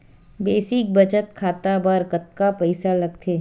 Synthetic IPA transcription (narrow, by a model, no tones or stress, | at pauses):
beːsɪk̚bɐt͡ʃət̪kʰaːt̪abɐɾkɐt̪̚kapɐɪsalɐɡt̪ʰeː